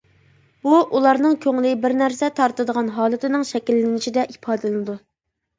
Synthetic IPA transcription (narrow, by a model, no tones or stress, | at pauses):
buʔulˠɑɾnɨŋkʲʰøŋlɪbɪɾnæɾsɛt̪ʰɑɾt̪ɨd̪əʁɑnɦɑːlˠɨt̪ʰɪnɨŋʃɛkʲilːɪnɪt͡ʃʰid̪ɛʔipʰɑːd̪ɨlɨnɨd̪u